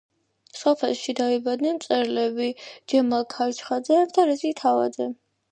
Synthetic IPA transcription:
sɔpʰɛ̰lˠʃid̪aibad̪nɛnt̪sʼɛɾlɛbid͡ʒɛmalkʰat͡ʃʰχad̪zɛt̪ʰaɾɛzit̪ʰava̰d̪zɛ

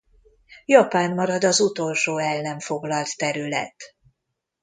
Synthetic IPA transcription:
jɒpaːnmɒɾɒd̪ɒzut̪o̞lʃoːɛlːɛɱfo̞ɡlɒlt̪ːɛɾylɛ̰t̪

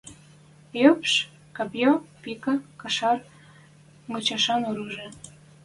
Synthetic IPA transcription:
jøpʃ | kɑpjopikɑkɑʃɑr | ŋɤt͡ɕɑʃɑnoɾuʒĕ

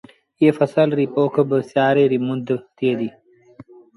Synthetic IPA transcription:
jefɐsɐlɾipoːkʰəbəsjɑːɾeɾimund̪ət̪ed̪i

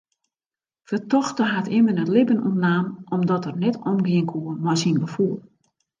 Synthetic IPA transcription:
fətɔxtəɦatɪmənətlɪbənṵntnaːmɔmdɔtərnɛtʰɔmɡiəŋkʰuəmɔjsinɡəfulˠ

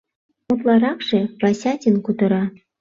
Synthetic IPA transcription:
mŏt̪lˠɑɾɑkʂĕvɑsʲɑtʲə̆nkut̪ɤ̆ɾɑ

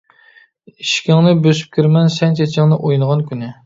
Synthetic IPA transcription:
iʃkʲɪŋnɪbøsy̥p̚kʲʰiɾmɛnsɛnt͡ʃʰɛt͡ʃʰɪŋnɨʔojnɨʁɑnkʲʰynɪ

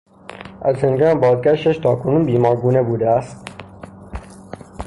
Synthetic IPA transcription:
æ̰zheŋɡɑːnbɒːd̪̚ɡʲæʃt̪æʃt̪ʰɒːkʰʊnuːnbiːmɒːɾɡuːnebuːd̪ææst̪̚

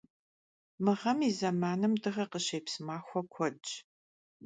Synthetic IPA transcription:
mɨʁɐmizɐmaːnɨmdɨʁɐqəɕeːjpsmaːxʷɔkʷʰɔt͡ʃʼ

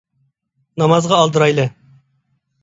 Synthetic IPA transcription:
nɑmɑzʁɑːlˠd̪əɾɑjlˠɨ

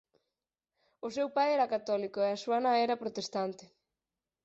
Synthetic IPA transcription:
ʊsewpajɛɾɐkat̪ɔlikoeɐsuɐnaɛɾɐpɾot̪est̪ant̪ɪ

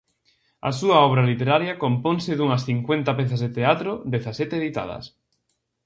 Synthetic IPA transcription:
a̰suaɔβ̞ɾalit̪eɾaɾjakomponsɪðuŋɐsθiŋkwent̪apeθazðet̪eat̪ɾod̪eθasɛt̪eeðit̪a̰ðɐ̰s

